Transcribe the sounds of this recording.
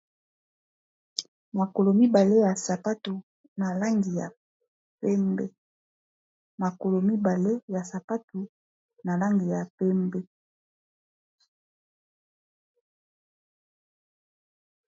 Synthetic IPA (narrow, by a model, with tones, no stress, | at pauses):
ma˨ko˨lo˨mi˦ba˨le˦ja˨sa˨pa˦tu˨ | na˨la˦ŋɡi˨ja̰˨ | pɛ˦mbe˦ | ma˨ko˨lo˨mi˦ba˨le˦ja˨sa˨pa˦tu˨ | na˨la˦ŋɡi˨ja˨pɛ˦mbe˦